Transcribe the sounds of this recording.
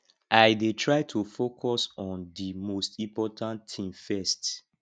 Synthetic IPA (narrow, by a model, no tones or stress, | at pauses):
ʔaɪdetʰɹaɪtʰufokʰɔsɔ̃ndimostĩmpɔtʰãnʰĩmfɛst